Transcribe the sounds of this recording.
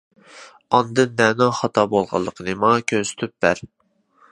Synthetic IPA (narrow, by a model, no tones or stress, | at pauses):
ɑnd̪ɨnːɛnoχɑt̪ʰɑbolˠʁɑ̰lˠːəqʰənɨmɑkʲʰøsy̥t̪ʰyp̚bæɾ